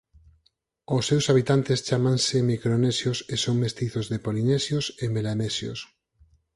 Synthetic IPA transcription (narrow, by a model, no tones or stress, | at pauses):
osːewsaβ̞it̪ant̪est͡ʃamãŋsemikɾonesjosesoŋmest̪iθozðepolinesjosemelamesjo̰s